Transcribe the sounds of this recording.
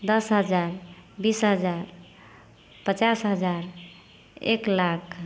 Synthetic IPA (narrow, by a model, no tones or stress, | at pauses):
d̪ʌsɦəd͡ʒaɾbisɦəd͡ʒaɾ | pət͡ʃasɦəd͡ʒaɾ | ḛklakʰ